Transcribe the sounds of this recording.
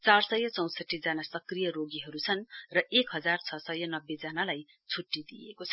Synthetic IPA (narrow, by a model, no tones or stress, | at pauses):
t͡sarsʌjʌt͡sʌw̃sʌʈːid͡zanasʌkrijʌroɡiɦʌɾut͡sʰʌnrʌʔekɦʌd͡zart͡sʰʌsʌjʌnʌbːed͡zanalaj | t͡sʰuʈːid̪ijekot͡sʰʌ